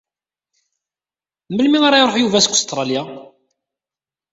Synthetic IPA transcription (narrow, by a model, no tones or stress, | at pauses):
məlmiʁaɾˤɑjɾˤoħjuvæskːʊ̥st̪ɾˤɑlja